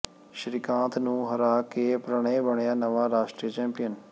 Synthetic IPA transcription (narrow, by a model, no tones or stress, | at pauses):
ʃɾɪkãːt̪ʰnũːɦɐɾaːkepɾəɽ̃ẽbəɳjaːnɐʋaɾaːʃʈɾijət͡ʃɛ̃ːmpɪjən